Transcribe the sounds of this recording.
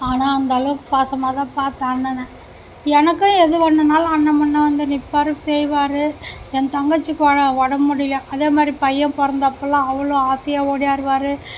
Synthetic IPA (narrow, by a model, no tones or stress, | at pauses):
aːnaːɐnd̪ɐɐlɐʋɯkːɯ̥paːsɐmaːt̪ãːpaːɾt̪ɐɐnːɐnɐ | ɛnɐkːɯ̃ɛðɯʋɐɳːɐnaːlɐɐnːɐmɐnːɐʋɐnd̪ɯnɪpːaːɾɯseːjʋaːɾɯɛnt̪ɐŋɡɐt͡ʃːɯkːɯʋɐɽɐʋɐɽɐmːʊɽɪjɪlɐʔɐðeːmaːd̪ɾipɐjːɐ̃pɔɾɐnd̪ɐpːɐlãːɐʋɐɭoːaːsɪjaːoːɽɪjaːɾɯʋaːɾɯ